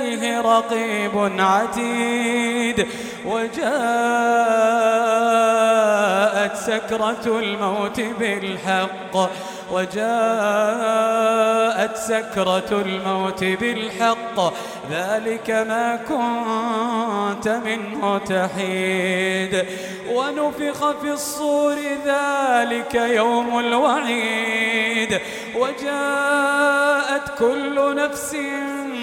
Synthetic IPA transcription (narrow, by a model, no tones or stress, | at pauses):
jɦɪɾˤɑqiːbʊnʕad̪iːd̪ | wad͡ʒaː | ʔat̪sakɾˤɑlmawt̪ɪbɪlħɑqː | wad͡ʒaː | ʔat̪sakɾˤɑlmawt̪ɪbɪlħɑqː | ðaːlɪkamaːkʊnnt̪amɪnmʊt̪aħiːd̪ | wanʊfɪxafisˤːuːɾɪðaːlɪkajawmalwaħiː | d̪ | wad͡ʒaː | ʔat̪kʊlːʊnafsɪ